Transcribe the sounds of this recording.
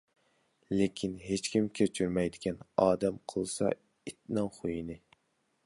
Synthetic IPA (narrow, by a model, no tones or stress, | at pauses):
lekʲʰinɦet͡ʃkʲimkʲʰet͡ʃʰyɾmɛjd̪ɪkʲɛnɑːd̪ɛmqʰəlˠsɑ̰ | it̪̚nɑŋχojinɪ